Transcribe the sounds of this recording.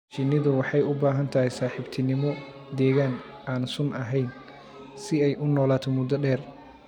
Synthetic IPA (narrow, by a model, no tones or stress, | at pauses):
t͡ʃɪnːɪðʊwɑħɑjʊbaːɦɐnt̪ʰɐɦɛjsaːħɪbt̪ʰɪnɪmɔ | d̪ɛːɣaːn | ʔaːnsʊnʔɐɦɛjn | sɪɛjʔʊnɔːlaːt̪ʰɔmʊd̪ɐɖɛːr